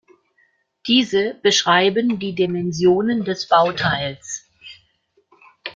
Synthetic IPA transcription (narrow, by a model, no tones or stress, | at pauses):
d̥iːzəb̥əʃʁ̥aɪbəndiːdimɛnzjoːnəndɛsb̥aʊtʰaɪls